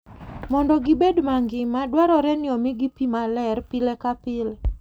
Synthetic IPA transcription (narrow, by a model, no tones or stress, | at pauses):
mɔndɔɡɪbedmaŋɡɪmadwaɾɔɾɛnɪɔmɪɡipimalɛrpɪlɛkapɪlɛ